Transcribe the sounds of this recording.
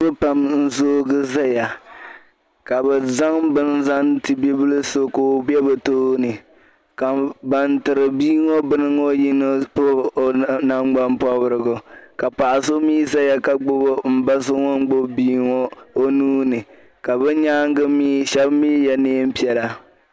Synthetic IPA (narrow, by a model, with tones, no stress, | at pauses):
bɨ˦pa˨mn̩˦zoː˦ɡɨ˦za˦ja˨ | ka˨bɛ˨za˦ŋbɨ˦nza˦ŋtɨ˨be˦bɨ˦lɨ˦so˦ko˨˦bɛ˦bɛ˨toː˦nɨ˨ | ka˨ba˨ntɨ˨ɾɨ˨biː˦ŋɔ˦bɨ˦nɨ˦ŋo˦ji˦nɨ˦pː | na˦ŋ͡mɡ͡ba˦mpɔ˦bɨ˦ɾɨ˨ɡʊ˨ka˨pa˨ʔa˨so˦miː˦sa˦ja˦ka˨ɡ͡bʊ˦bʊ˦m̩˦ba˦s̬ɨ˦ŋɔ˦n˦ɡ͡bo˦biː˦ŋɔ˦o˦nuː˦nɨ˨ | ka˨bɛ˦ɲaː˦ŋ˦ɡɨ˦mi˦ʃɛ˦bmiː˦jɛ˦neː˦m̩˦pi˦ɛ˨la˦